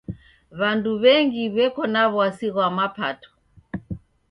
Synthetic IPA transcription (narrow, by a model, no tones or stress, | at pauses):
βanduβɛŋɡiβɛkɔnaβwasiɣwamapatɔ̥